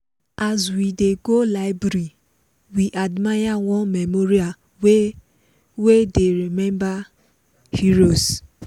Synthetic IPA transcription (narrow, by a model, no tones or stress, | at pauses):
azwideɡolaɪbɾi | wiʔadmajawɔ̃nmemoɾia | wedeɾimɛ̃mba | hiɾos